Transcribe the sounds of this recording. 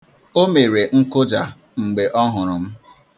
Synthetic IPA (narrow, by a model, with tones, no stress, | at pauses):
o˦me˨ɾe˨ŋ̩˦kʊ˦d͡ʒa˨ | ŋ͡m̩˨ɡ͡be˨ʔɔ˦ɦʊ˨ɾʊ˨m̩˦